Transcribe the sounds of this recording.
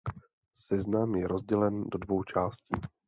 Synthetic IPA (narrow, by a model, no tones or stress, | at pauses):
sɛznamjɛɾozɟɛlɛndo̞dvo̞wt͡ʃaːsciː